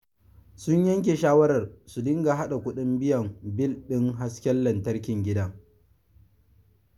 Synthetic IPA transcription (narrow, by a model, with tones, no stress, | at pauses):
sʊ˦ɲjɐ˦ŋk̬ʲe˨ʃaː˦wɐ˦ɾɐ˨rsu˨dɪ˦ŋɡa˨ɦa˦ɗa˨kʷʊ˦ɗɪ˦mbɪ˦jɐ˨mbɪ˦˨lɗɪ˦ŋɦa˦skʲɛ˦lːɐ˨ntɐ˦rkʲɪ˨ŋɡʲɪ˦dɐ˦ŋ